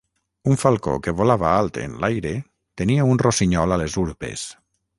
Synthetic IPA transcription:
uɱfalˠko̰keβolaβaalˠt̪ḛnlajɾe | t̪eniaunrosiɲɔlalezuɾpḛs

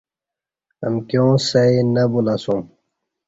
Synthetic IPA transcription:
ɐmkjõːsɐinɐbulasum

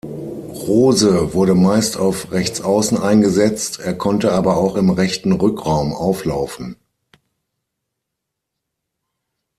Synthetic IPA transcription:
ʁoːzəvʊɐɾəmaɪstʰaʊfʁɛçt͡sʔaʊsn̩aɪnɡəzɛt͡stʰʔeːɐkʰɔntəaːbɐaʊxɪmʁɛçtn̩ʁʏkʁaʊmʔaʊflaʊfn̩

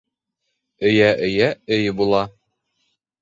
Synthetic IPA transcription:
ɵ̆jæʔɘ̆jæɘjbulˠɑ

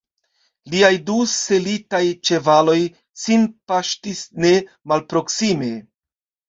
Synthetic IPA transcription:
liajduse̞litajt͡ʃe̞valo̞j | sinpaʃtisne̞ | malpɾo̞ksime̞

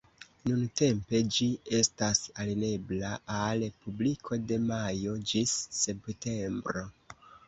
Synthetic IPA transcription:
nunte̞mpe̞d͡ʒie̞stasaline̞blaalpublikʰo̞de̞majo̞d͡ʒisːe̞pte̞mbɾo̞

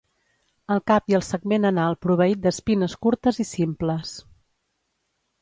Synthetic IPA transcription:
əlˠkapiəlˠsəɡmenənalˠpɾuβ̞əit̪̚d̪əspinəskuɾt̪əzisimpləs

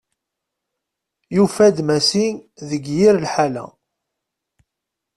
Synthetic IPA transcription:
jufæd̪mæsinðəɡjiɾlħalæ̰

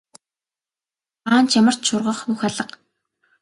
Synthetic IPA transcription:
aːnt͡ɕʰjamə̆r̥t̪ʃʊrʁə̆χuxaɮə̆q

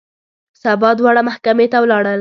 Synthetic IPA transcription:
sabɑd̪wɑɽamahkamet̪awlɑɽəl

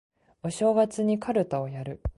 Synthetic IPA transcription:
oɕo̞ːɡat͡sɨɲ̟ikʰaɾɯ̟t̪ao̞jaɾɯ̟

